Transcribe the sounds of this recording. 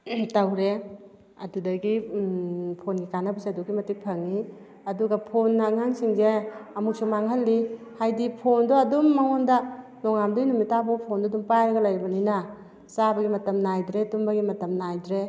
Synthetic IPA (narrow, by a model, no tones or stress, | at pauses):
tawɾe | ɐ̰dudɐɡi | pʰonɡikanabasajdɔkːimɐtik̚pʰɐŋːi | ɐduɡapʰonːaŋaŋsiŋzeɐmuk̚sɔmaŋɦɐlːi | hajdipʰondoɐdumːaŋondɐnɔŋamdojnumitabɔpʰondɔdumpajɾɐɡɐlajɾbɐninɐ | sabɐɡimɐtɐmnajdɾetumbɐɡimɐtɐmnajdɾe